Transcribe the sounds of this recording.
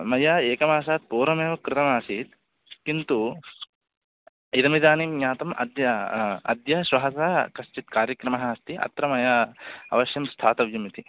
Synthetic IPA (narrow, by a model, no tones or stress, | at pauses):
mɐjaːeːkɐmaːsaːt̪̚poːɾɐmeːʋɐkɾɪt̪ɐmaːsit̪ | kint̪u | id̪ɐmid̪aːnimɲaːt̪ɐmʔɐ̰d̪jɐɐ̰d̪jɐʃʋɐɦɐsaːkɐst͡ʃit̪kaːɾjɐkɾɐmɐɦɐɐst̪iʔɐ̰t̪ɾɐmɐjaːɐ̰ʋɐʃjɐmst̪ʰaːt̪ɐʋjɐmit̪i